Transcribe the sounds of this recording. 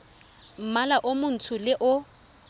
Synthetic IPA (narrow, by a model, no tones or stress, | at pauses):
m̩malaʔʊmʊn̩tʰʊlɪʔʊ